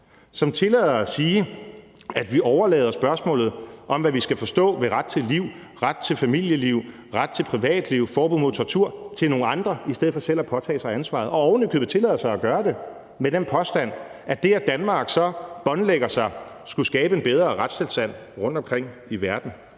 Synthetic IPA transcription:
sɒ̽mt͡sʰe̝lɛ̰ːðˠɐsiː | æd̥ʋiʔɒʊɐlɛ̰ːð̞ˠɐsb̥ɶɐsmɔ̰̽ːlð̞̩ˠʔɒ̽mʋæʋisɡ̥æfɒ̽sd̥ɔ̰̽ːʋe̝ʁad̥̚t͡sʰe̝liʊ̰ | ʁad̥̚t͡sʰe̝lfæmil̰jəliʊ̰ | ʁad̥̚t͡sʰe̝pʰʁiʋɛ̰ːd̥liʊ̰fɒːb̥uð̩̰ˠmoðˠt͡sʰoʁɑt͡sʰuɐ̰t͡sʰe̝lno̝ːŋn̩ɑ̈nd̥ʁɐisd̥eð̰ˠfɒ̽seð̰æpʰɒ̽t͡sʰɛ̰ːsɑ̈ɪænsʋɑ̰̈ð̞̩ˠɒ̽ɒʊnøɡ̥ð̩ˠʋet͡sʰe̝lɛ̰ːð̰ˠɐsɑ̈ɪɒɡ̥ɶːɐd̥e̝ | med̥enpʰɒ̽sd̥æn̰æd̥e̝æd̥ænmɑ̈ːɡ̥sɒ̽b̥ɒ̽nleɡ̥ɐsɑ̈ɪsɡ̥usɡ̥ɛːb̥əe̝nb̥eð̞ˠʁɐːʁad̥sʰe̝lsd̥æn̰ʁɔ̽n̰d̥ɒ̽mkʰʁeŋ̰iʋæɐd̥n̩

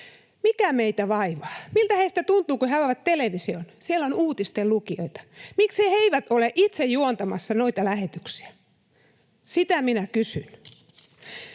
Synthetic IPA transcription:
mikæmeit̪æʋɑiʋɑːmilt̪æheist̪æt̪unt̪uːkuhæɑʋæt̪t̪eleʋisionsielonuːt̪ist̪ellukio̰it̪ɑ̥mikseheiʋæt̪oleʔit̪sejjuont̪ɑmɑsːɑnoit̪ɑlæhet̪yksi̥æ | sit̪æminækysyn

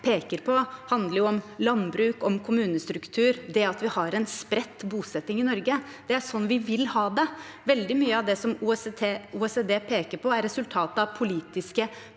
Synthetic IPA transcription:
pʰeːkəɾpʰɔhɑnd̪ləɾjʊɔmlɑnbɾʉːkɔmkʰʊmʉːnəst̪ɾʉkt̪ʰʉːɾd̪ɛɑt̪ʋɪhɑɾɛnspɾɛt̪ːbuːsɛt̪ːɪŋɪnɔɾɡə | d̪̥ɛæʂɔnːʋɪʋɪlhɑːd̪ɛʋɛld̪ɪmyːəɑʋd̪ɛsɔmuɛst̪ʰeːuːɛsɛd̪eːpʰeːkəɾpʰɔæɾɛsʉlt̪ʰɑːt̪əɑʋpʰʊliːt̪ɪskə

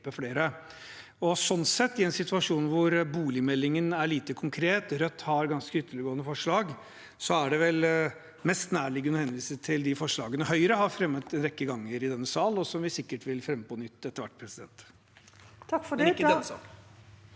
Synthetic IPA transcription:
pːəfleːɾə | ɔsɔnːsɛt̪ːɪɛnsɪt̪ʉɑʂuːnʋʊɾbuːlɪmɛlːɪŋənæɭiːt̪əkʰʊŋkʰɾeːt̪ɾœt̪ːhɑɾɡɑnskəʏt̪ːəɭɪɡoːnəfɔʂɭɑːɡ | sɔæɖɛʋɛl | mɛst̪næːɭɪɡənhɛnʋiːsət̪ʰɪld̪ɪfɔʂɭɑːɡənəhœʏəɾəhɑɾfɾɛmːət̪ɛnɾɛkːəɡɑŋːəɾɪd̪ɛnːəsɑːlɔsɔmʋɪsɪkːəʈʋɪlfɾɛmːəpʰɔnʏt̪ːɛt̪ːəɾʋæʈ̚ːpʰɾɛsɪd̪ɛ̰nt̪ | t̪ʰɑkːfɔɛkːəɛsɑ̰

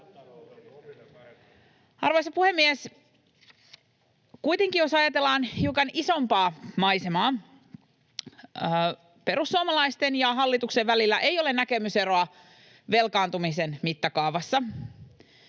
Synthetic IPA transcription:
ɑrʋojsɑpuhe̞mːies | kujt̪eŋkijosɑjɑt̪e̞lːɑːnhiukɑniso̞mpɑːmɑjsemɑː | pe̞ɾusːuɑmɑlɑist̪enjɑɦɑlːit̪ukseʋːælilːæʔe̞jo̞le̞næke̞myse̞ɾo̞ɑ | ʋe̞lkɑːnt̪umisenmit̪ːɑkɑːʋɑsːɑ

